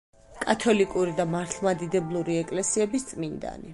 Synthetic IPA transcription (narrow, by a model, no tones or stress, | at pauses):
kʼat̪ʰɔlikʼuɾid̪amaɾt̪ʰlˠmad̪id̪ɛblˠuɾiɛkʼlɛsiɛbist̪sʼmind̪a̰nḭ